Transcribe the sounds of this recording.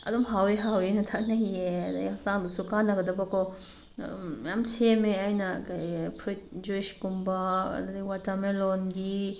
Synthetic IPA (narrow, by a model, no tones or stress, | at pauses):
ɐ̰dɔmɦaweɦawenɐtʰak̚nahiedajaktaŋdusukanːɐɡɐdɐbakʰɔ | jamt͡ʃʰemeajnɐkajpʰɾit̚d͡ʒuiskumbaɐ̰dadiwatamelɔnɡi